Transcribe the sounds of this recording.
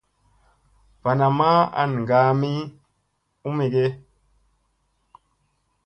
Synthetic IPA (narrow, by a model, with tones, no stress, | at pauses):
v̥a˨na˨ma˦a̰˨n˨ŋ˨ɡa˨˦mi˦ | u˦mi˨ɡe˦